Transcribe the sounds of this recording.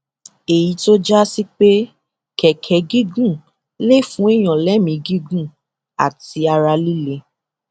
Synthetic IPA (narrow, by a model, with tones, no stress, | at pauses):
e˨ji˨˦to˦d͡ʒa˦si˦k͡pe˦ | kɛ˨kʰɛ˨˦ɡi˦ɡũ˦˨ | le˦˨fũ˦e˦j̃ɔ̃˨lɛ˨˦mĩ˧ɡi˦ɡũ˦˨ | a̰˨ti˧a˧ɾa˧li˦le˧